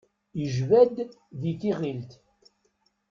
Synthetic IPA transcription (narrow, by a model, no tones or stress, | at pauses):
iʒvæd̪ðiθiʁilt̪